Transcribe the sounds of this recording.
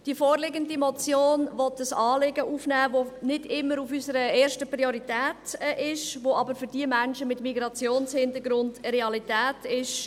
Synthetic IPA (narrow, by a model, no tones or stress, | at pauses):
d̥ifoːɾlɪɡəndimɔt͡sjoːnnʋɔtəsɑːlɪɡəʔuːfnɛːvonɪdɪmːəɾufysəɾəeːɾʃtəpɾioɾitɛːtʔɪʃʋoʔɑbəɾfʏɾd̥iəmænʃəmɪtmiɡɾɑt͡sjoːnshɪndəɡɾʊndɾɛɑlitɛːtɪʃ